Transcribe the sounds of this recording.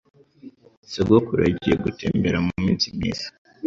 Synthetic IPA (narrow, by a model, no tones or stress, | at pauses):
sebɡokuɾa̰ɟijeɡutḛːmbeɾamumiːnsimɲḭːz̥ḁ